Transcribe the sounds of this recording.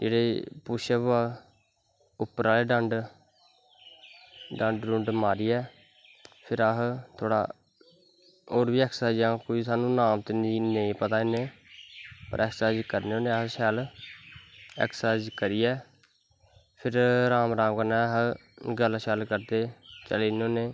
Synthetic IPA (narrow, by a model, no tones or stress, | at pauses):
d͡ʒeːɽeːpʊʃeːbaː | ʊpːəɾaːleːɖəɳɖ | ɖəɳɖɾʊ̃ɳɖmaːɾiːɛː | pʰɪɾəɦt̪ʰoːɽa̰ː | oːɾʋiːɛksaːd͡ʒãːkoːiːsaːnũːnaːmt̪eːninẽĩːpət̪aːɪneː | pə̰ɾɛksaːd͡ʒkəɾneːoːneːəɦʃɛːl | ɛ̰ksaːd͡ʒkəɾiːɛː | pʰɪɾɾaːmɾaːmkənɛːɦɡəlʃɛːlkəɾd̪eːt͡ʃəleːnoːneː